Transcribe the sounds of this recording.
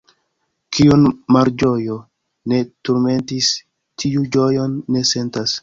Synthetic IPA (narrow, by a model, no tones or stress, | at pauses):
kʰiunmaɾd͡ʒo̞jo | ne̞tuɾme̞ntis | tʰiud͡ʒojo̞nːe̞se̞ntas